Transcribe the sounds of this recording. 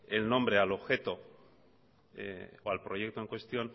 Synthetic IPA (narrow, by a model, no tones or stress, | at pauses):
elnõ̞mbɾe̞alo̞βxe̞t̪o̞ | ḛoalpɾo̞je̞k̚t̪oeŋkwest̪jo̞n